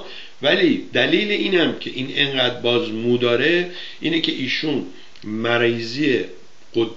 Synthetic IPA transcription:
væliːd̪æliːleʔiːnæmcʰe̞ʔiːne̞ŋɢæd̪ɾbɒːzmuːd̪ɒːɾe | ʔiːnecʰe̞ʔiːʃun | mæɾizije | ɢ̥od̪

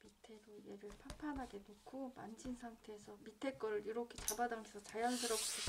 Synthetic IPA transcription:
mitʰe̞ɾoijeɾɯɭpʰampʰanɦaɡenokʰoma̰nd͡ʑinsʰaŋtʰe̞ːsʰʌmitʰe̞k͈ʌɾɯɾiɾʌkʰe̞t͡ɕabadaŋɡesʰʌt͡ɕajʌnsʰɯɾʌks͈i

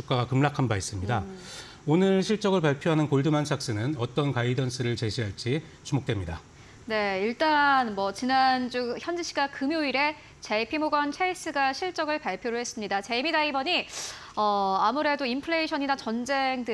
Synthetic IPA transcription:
uk͈aɡakɯmɭakʰanbais͈ɯmɲida | onɯɭɕʰiɭt͡ɕ͈ʌɡɯɭpaɭpʰjoɦanɯnkoɭdɯmansʰak̚s͈ɯnɯnʌt͈ʌnkaidʌnsʰɯɾɯɭt͡ɕe̞ɕʰiɦaɭt͡ɕ͈i | t͡ɕumok̚t͈wemɲida | ne̞iɭt͈anmwʌt͡ɕinand͡ʑuçjʌnd͡ʑiɕʰiɡakɯmjoiɾe̞ | t͡ɕepʰimoɡʌnt͡ɕʰeis͈ɯɡaɕʰiɭt͡ɕ͈ʌɡɯɭpaɭpʰjoɾoɦe̞s͈ɯmɲidat͡ɕe̞imidaibʌɲi | ʌamuɾe̞doimpʰɯɾeiɕʰʌɲinat͡ɕʌnd͡ʑe̞ŋdɯ

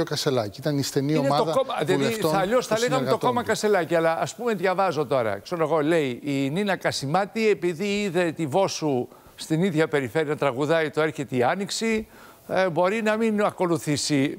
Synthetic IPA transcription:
okɐselɐciit̪ɐnisθenioemɐoðɐkomɐðiɐleift̪oɐɐʎosθɐleɣɐmet̪oto̞mɐkɐst̪e̞lɐciɐlɐʔːspumeðʝɐvɐzo̞t̪o̞ɾɐ̰ksenoɣo̞le̞iininɐkɐsimɐt̪ie̞piðiiðe̞t̪ivo̞su | st̪iniðʝɐpe̞ɾife̞ɾiɐt̪ɾɐɣuðɐit̪oe̞ɾçe̞t̪eiɐniksi | bo̞ɾinɐminɐko̞luθisi

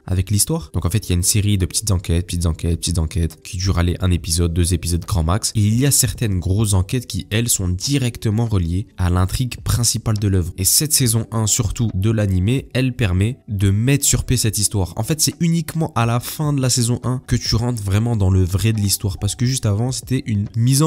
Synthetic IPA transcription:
a̰vɛklist̪waʁd̪ɔ̃kɑ̃fɛt̪iljaynseʁid̪əpə̥t̪it̪zɑ̃kʲɛt̪̚pə̥t̪it̪zɑ̃kʲɛt̪̚pət̪it̪zɑ̃kʲɛt̪kʲʰid̪yʁaleʔɛ̃nepizɔd̪̚ːøzepizɔd̪ɡʁɑ̃makseiljasɛʁt̪ɛnɡʁosɑ̃kʲɛt̪kʲiʔɛlsɔ̃d̪iʁɛkt̪əmɑ̃ʁəljealɛ̃t̪χiɡpχɛ̃sipald̪əlœvʁesɛt̪sɛzɔ̃ʔɛ̃syʁt̪ud̪əlanimeɛlpɛʁmɛd̪əmɛt̪χsyʁpjesɛt̪ist̪waʁɑ̰̃fɛt̪sɛynikmɑ̃ʔalafɛ̃d̪əlasɛzɔ̃ʔɛ̃kət̪yʁɑ̃t̪χvʁɛmɑ̃d̪ɑ̃ləvʁɛd̪əlist̪waʁpaʁsə̥kəʒyst̪avɑ̃se̥t̪ɛʔynmizɑ̃

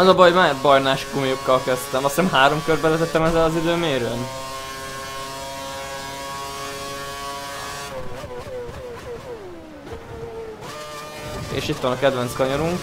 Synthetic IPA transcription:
ɛzɒbɒjmaːbɒjnaːʃɡumijukːɒlkɛst̪ɛmɒst̪ːɛmɦaːɾo̞mkørbɛlɛt̪ɛt̪ːɛmɛzːɛlɒzid̪øːmeːɾøːn | ḛːʃit̪ʋɒnɒkɛd̪vɛnt̪skɒɲoɾuŋk

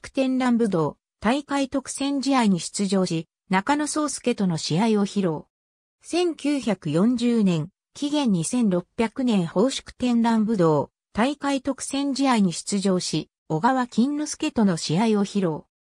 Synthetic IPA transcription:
kɯ̥t̪ẽ̞nɾãmbɯ̟d̪o̞ː | t̪aikait̪o̞kɯ̟̥sẽ̞ɲ̟d͡ʑiaiɲ̟iɕi̥t͡sɨʑo̞ːɕi | nakano̞so̞ːsɨ̥ke̞t̪o̞no̞ɕiaio̞çiɾo̞ː | sẽ̞ŋkʲɨːçakɯ̟jõ̞ɲd͡ʑɨːnẽ̞ŋ | kʲiɡẽ̞ɲ̟ːisẽ̞nɾo̞pʲːjakɯ̟nẽ̞ɰ̃ho̞ːɕi̥kɯ̟̥t̪ẽ̞nɾãmbɯ̟d̪o̞ː | t̪aikait̪o̞kɯ̟̥sẽ̞ɲ̟d͡ʑiaiɲ̟iɕi̥t͡sɨʑo̞ːɕi | o̞ɡaβakʲĩnːosɨ̥ke̞t̪o̞no̞ɕiao̞çiɾo̞ː

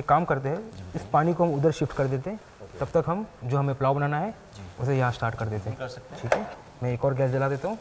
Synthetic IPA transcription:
ekːaːmkɐɾt̪eɦɛɪspaːnikoɦɐmʊd̪əɾʃɪfʈkɐɾd̪eːt̪eɦɛ̃ | t̪ɐb̚t̪ɐkɦɐmd͡ʒoːɦɐmẽplaːʊbɐnaːnaɦɛ | d͡ʒʊsejɐɦãsʈaːɾʈkɐɾd̪eːt̪eɦɛ̃ʈʰiːkɛː | mɛ̃eːkɔːɾɡɛːsd͡ʒɐlad̪eːt̪aɦũː

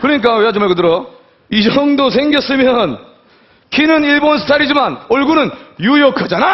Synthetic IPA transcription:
kɯɾʌɲik͈aweat͡ɕomaɭkɯdɯɾʌ | id͡ʑʌŋdosʰeŋɡjʌs͈ɯmjʌn | kʰinɯniɭbonsʰɯ̥tʰaɾid͡ʑimanoɭɡunɯnjujokʰad͡ʑana

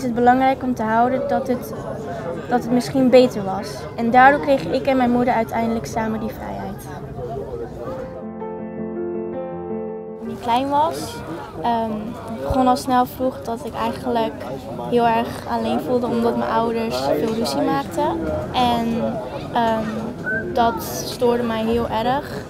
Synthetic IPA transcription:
səd̚bəlɑŋrɛjkɔmtəɦʌwdədtət | d̥ɑtɦətmɪsχinbejtəɹʋɑs | ɛndaːɹdʊːkrejχɪkɛnmɛjnmudəɹœɥtɛjndələksaːmədifrɛ̰jɦɛjt | tunitklɛjnʋɑs | əm | ɪɡ̚bəχɔnɑlˠsnɛlˠvruχdɑtɪkɛ̰jχənlək | ɦɪːlˠɛɹχa̰lejnvulˠdəɔmdɑtmɛ̰jnʔɔwdəɹsfɪːlˠryzimaːk̚təʔɛn | ə | dɑt | stoːɹdəmɛjɦɪːlˠɛɾəχ

